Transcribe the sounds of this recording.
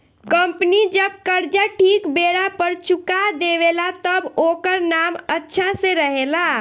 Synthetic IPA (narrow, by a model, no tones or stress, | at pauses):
kəmpnid͡ʒəb̚kəɾd͡ʒaʈʰikbeɽapəɾt͡ʃukad̪eʋelat̪əbokəɾnamətːʃʰãsẽɾəɦela